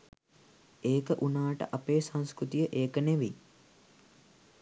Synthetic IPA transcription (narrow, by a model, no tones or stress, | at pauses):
eːkəʔunaːʈə̰ʔɐpeːsañskɾut̪ijəʔeːkəneʋi